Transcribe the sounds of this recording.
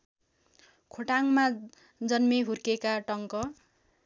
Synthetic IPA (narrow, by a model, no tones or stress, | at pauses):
kʰoʈaŋma | d͡zʌnmeɦurkekaʈʌŋkʌ